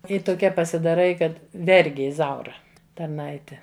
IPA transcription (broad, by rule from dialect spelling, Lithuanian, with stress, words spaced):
ɪ toːˈkʲɛ pɐsʲɪdɐˈrɐɪ ˈkɐt ˈʋʲɛrʲɡʲɪ ɪˈzɐʊrɐ tɐrˈnɐɪtʲɛ